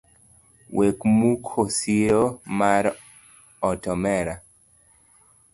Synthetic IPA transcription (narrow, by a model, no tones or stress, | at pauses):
wʔekmukʰosiɾomaɾ | ɔtɔmɛɾa